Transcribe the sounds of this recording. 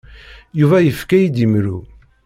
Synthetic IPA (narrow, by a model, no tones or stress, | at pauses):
juvæjəfkæjid̪imɾu